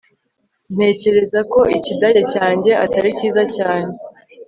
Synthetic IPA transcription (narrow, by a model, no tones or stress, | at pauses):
n̥e̞ːce̞ɾe̞zako̞ʔicidajacaːɲɟe̞ataɾiciːzacaːɲe̞